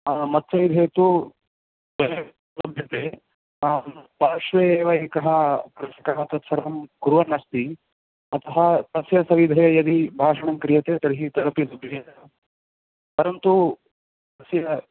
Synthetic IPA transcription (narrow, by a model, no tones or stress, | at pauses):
amɐt̪sɐʋid̪ʱeːt̪u | bɐɾe | lɐbʱjɐt̪eː | apaːʂʋeeːʋɐeːkɐɦɐkɾɐʃɐkaɐt̪ɐt̪sɐɾɐmkuɾʋɐnɐst̪i | ɐt̪ɐɦɐt̪ɐsjɐsɐʋid̪ʱɐjɐd̪ibʱaːʂɐɳɐmkɾijɐt̪eːt̪ɐɾiɦit̪ɐɾɐpisɐbʱjɐjɐɐ | pɐɾɐnt̪u | t̪ɐsjɐ